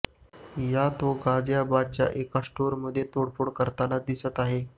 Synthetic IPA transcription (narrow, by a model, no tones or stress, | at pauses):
jat̪oɡad͡zjabat͡ɕja̰ʔekasʈoɾməd̪ʱːjet̪oɽfoɽkəɾt̪anad̪isət̪aɦe